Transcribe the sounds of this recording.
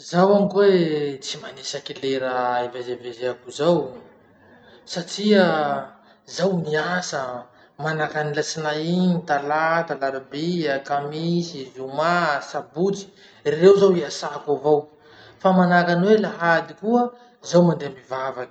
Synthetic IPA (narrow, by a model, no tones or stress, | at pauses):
zawamkwet͡simanesakileɾəivazevezeakuzaw | saʈ͡ʂiə | zawniasə | manakanilasinaiɲit̪alat̪alaɾabiakamisizumasabut͡si̥ | rirewzawiasakavow | famanakanwelaɦad̪ikuə | zawmand̪eamivavaki̥